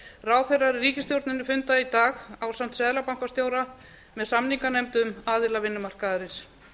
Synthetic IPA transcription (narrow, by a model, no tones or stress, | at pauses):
raːwθejrːaɾriːcɪst̪jowɾt̪nɪnːɪfʏnt̪ait̪aːɣaːwsam̥t̪sɛðlapawŋ̥kast̪joːwɾa | mɛðsamniŋkanɛjmt̪ʏʏmaːðɪlavɪnːʏmar̥kaðɪɾɪs